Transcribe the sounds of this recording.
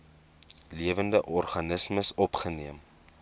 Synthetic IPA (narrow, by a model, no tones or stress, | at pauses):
liəvəndəʔɔrχɐnəsməsɔpχəniəm